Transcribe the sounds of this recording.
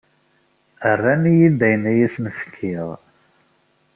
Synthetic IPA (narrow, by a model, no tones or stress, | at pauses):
ərːænijid̪æjnæjisnəfkʰːɪʁ